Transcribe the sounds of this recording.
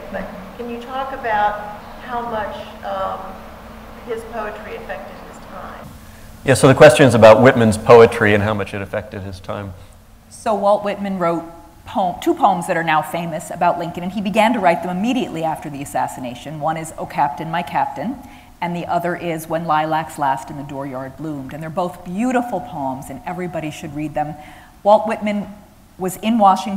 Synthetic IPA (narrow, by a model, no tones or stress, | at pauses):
kʰɨ̃njɨtʰɔkɨbaʊt̚ | haʊmʌt͡ʃ | ɪz̥pʰoʊɨt͡ʃɹ̥iɨfɛk̚tɨd̚ɪz̥tʰãɪ̃m | jæsoʊðɨkʰw̥ɛst͡ʃɨ̃nɨzɨbaʊʔ̚wɪt̚mɨ̃nz̥pʰoʊɨt͡ʃɹ̥iɨ̃nɦaʊmʌt͡ʃɨɾɨfɛk̚tɨd̚ɨz̥tʰã̰ɪ̃m | soʊwɛlˠʔwɪt̚mɨ̃nɹoʊt̚ | pʰõʊ̃mtʰupʰõʊ̃mzðɨɾə˞naʊfẽɪ̃mɨsɨbaʊʔˡlɪ̃ŋkɨ̃nɨ̃nibɨɡæ̃ntɨɹaɪt̪̚ðɨ̃mɨmiɾiɨ̰ʔlʔiæftə˞ðiɨsæsɨneɪʃɨ̃nwʌ̃ñɨzoʊkʰæp̚tɨ̃nmaɪkʰæp̚tɨ̃n | ɨ̃nðiʔʌðə˞ʔɪzwə̃nlaɪlækslæstn̩ðɨdɔɹjɑɹd̚blũmdɨ̃nðə˞boʊθb̥jʉɾəfl̩ˠpʰɑ̃ʊ̃mzɨ̃nɛvɹibɑɾiʃɨd̚ɹid̪̚ðɨ̃m | wɔlˠʔ̚wɪt̚mɨ̃n | wʌzɪ̃nwɑʃɪ̃ŋ